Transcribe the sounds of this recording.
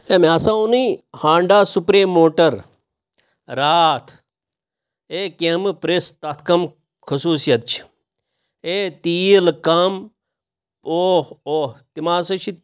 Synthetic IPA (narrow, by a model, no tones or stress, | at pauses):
emeɐsaũnihãːɳɖaːsupɾeːmːoːʈɐɾ | ɾaːt̪ʰ | eːkempɾest̪ɐt̪ʰkɐm | kʰɐsuːsijɐt̪t͡ʃʰi̥ | et̪iːlkɐm | oːoːt̪imaːsɐt͡ʃʰi